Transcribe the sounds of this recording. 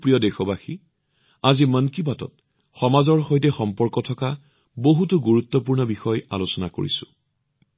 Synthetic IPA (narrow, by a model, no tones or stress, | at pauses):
pɹijɔdexɔbaxi | azimənkipatɔ̰t̚ | xɔmazɔɹxojtɛxɔmpɔɹkɔtʰɔka | boɦutuɡuɹutːɔp̬uɹnɔbixɔjalosɔnako̰ɹḭsʊ̥̰